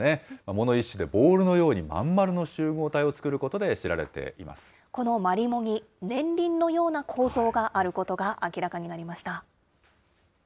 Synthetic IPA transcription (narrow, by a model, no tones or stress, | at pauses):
ne̞mamo̞no̞iɕːɨd̪e̞bo̞ːɾɯ̟no̞jo̞ːɲ̟imã̰mːaɾɯ̟no̞ɕɨːɡo̞ːt̪aio̞t͡sɨ̥kɯ̟ɾɯ̟ko̞t̪o̞d̪e̞ɕiɾa̰ɾet̪e̞̰ḭma̰sɨ̥ | ko̞no̞maɾʲimo̞ɲ̟ʲi | nẽ̞nɾʲĩnːo̞jo̞ːnakʰo̞ːzo̞ːɡaʔaɾɯ̟ko̞t̪o̞ɡaʔakʲiɾakaɲ̟inaɾʲimaɕi̥t̪a